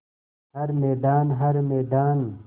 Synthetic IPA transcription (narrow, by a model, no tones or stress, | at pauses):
hɐɾmeːd̪aːnɦɐɾmeːd̪aːn